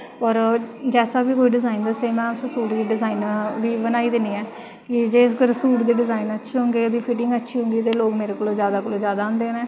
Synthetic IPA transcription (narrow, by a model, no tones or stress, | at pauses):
pɔɾd͡ʒɛːsaːbiːkoːiɖɪzaːind̪aːseːmɛ̃ːʊssuːʈd̪iːɖɪzaːiːnʋiːbənaːiːd̪eniːɛː | kɪd͡ʒeːsɡəɾsuːʈd̪iːɖɪzaːinətːʃʰiːɦʊ̃ŋɡeːəd̪iːpʰiʈɪŋɡətːʃʰiːɦʊ̃ŋɡiːt̪eːloːɡmeːɾeːkoːlõːzjaːd̪aːkoːlõːzjaːd̪aːʊ̃nd̪eːnɛ̃ː